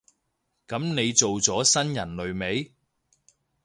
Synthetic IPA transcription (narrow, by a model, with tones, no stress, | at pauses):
kɐ˨˥mne˨˧jt͡so˨wt͡sɔː˨˥sɐ˥njɐ˨˩nlɵ˨˧ɥme˨˧˥j